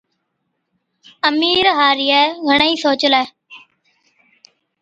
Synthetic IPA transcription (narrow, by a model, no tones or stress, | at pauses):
əmiːɾɦaːɾɪːɛːɡʱəɳəĩːsoːt͡ʃəlɛː